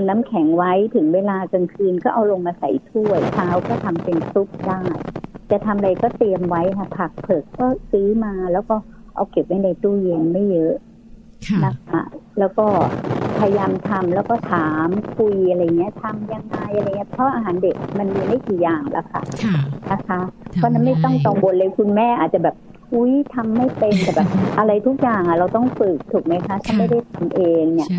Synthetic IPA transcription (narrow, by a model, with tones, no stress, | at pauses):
nːaː˦˥mkʰɛ˩˦ŋwa˦˥jt̪ʰɯ˩˦ŋweː˧laː˧ka˧ŋkʰɯː˧nkɔː˥˩ʔa˧wlo˧ŋmaː˧sa̰˩˦jt̪ʰu˥˩əjt͡ɕʰaː˦˥wkɔː˥˩t̪ʰa˧mpe˧nsu˦˥p̚daː˥˩jt͡ɕa˨˩t̪ʰa˧mʔa˧a˧jkɔː˥˩t̪i˧əmwa˦˥jkʰa˥˩pʰa˨˩k̚pʰɤ˨˩kkːɔː˥˩sɯː˦˥maː˧lɛː˦˥wkɔː˥˩ | ʔa˧wke˨˩p̚ʔa˦˥˩na˧jt̪uː˥˩jeː˧ŋma˥˩jːɤ˦˥ʔ | na˦˥kʰa̰˥˩lɛː˦˥wkɔː˥˩pʰa˧ja˧jaː˧mt̪ʰa˧mlɛː˦˥wkɔː˥˩t̪ʰaː˩˦mkʰu˧jʔa˧ɾa˧jːŋːi˦˥ɐ˨t̪ʰa˧mjaː˧˩ŋnaaː˧˩jʔa˧ɾa˧˨ŋːi˦˥pʰɔ˦˥ʔaː˧ɦaː˩˦nde˨˩k̚ma˧nmiː˧ma˥˩jkiː˨˩jaː˨˩ŋla̰˦˥kʰa̰˥˩na˦˥kʰa˦˥pʰɔ˦˥˨na˦˥nma˥˩jt̪ɔ˥˩ŋt̪ɔː˨˩wo˧nlɤ˧˩jkʰu˧nmɛː˥˩ʔaː˨˩t̪̚t͡ɕa˨˩bɛː˨˩p̚ | ʔu˦˥jt̪ʰa˧mːa˥˩jpe˧nt̪ɛː˨˩bɛː˨˩p̚ʔa˧ɾa˧jt̪ʰu˦˥k̚jaː˨˩ŋʔa˨˩ɾa˧wt̪ɔ˥˩ŋfɯ˨˩k̚t̪ʰu˨˩k̚ma˦˥jkʰa˦˥t̪ʰa˥˩ma˥˩jda˥˩jt̪ʰa˧mʔeː˧ŋni˧˩ə